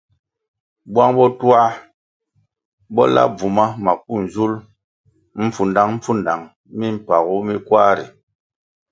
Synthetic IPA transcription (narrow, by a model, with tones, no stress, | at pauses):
bwa˦ŋbɔ˦tu˦a˦ | bɔ˦la̰˦b͡vu˨ma˦ma˨k̚u˦˨n˨zu˦l | m̩˦fu˨nda˦ŋm̩˦fu˦n˨da˨ŋ | mi˦m̩˨pa˨ɣu˦mi˦kwa˦ɾi˨